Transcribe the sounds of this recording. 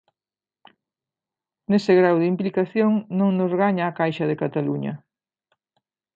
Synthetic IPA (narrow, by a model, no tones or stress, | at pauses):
nesɪɣɾawðimplikaθjoŋnõŋnozɣaɲaːkajʃɐðekat̪aluɲɐ̰